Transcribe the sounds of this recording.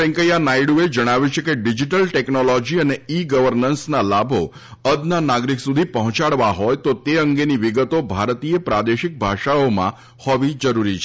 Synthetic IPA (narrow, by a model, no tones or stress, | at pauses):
ɛ̃ŋkəjanaiɽued͡ʒəɽ̃aʋjut͡ʃʰekeɖid͡ʒiʈəlʈeknolɔd͡ʒiəneiɡəʋəɾnənsnalabʱo | əd̪nanaɡɾiksud̪ʱipəɦɔ̃t͡ʃaɭʋaɦɔjt̪ot̪eəŋɡeniʋiɡət̪obʱaɾt̪iepɾad̪eʃɪk̚bʱaʃaomã̰ | hɔʋid͡ʒəɾuɾit͡ʃʰe